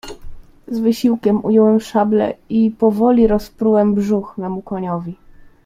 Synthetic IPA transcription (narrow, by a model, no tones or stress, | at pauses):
zvɘɕiwkʲɛmujɔwɛmfʂablɛ̰ipɔvɔlʲiɾɔspɾuwɛmbʐuxmɛmukɔɲɔvʲi